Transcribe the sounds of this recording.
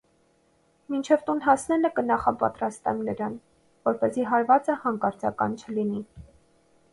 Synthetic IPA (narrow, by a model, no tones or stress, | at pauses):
mint͡ʃʰɛvt̪unɦɑsnɛləkənɑχɑpɑ̰t̪ɾɑst̪ɛ̰mnəɾɑn | vɔɾpɛziɦɑɾvɑt͡səhɑŋkɑɾt͡sɑ̰kɑ̰nt͡ʃʰəlini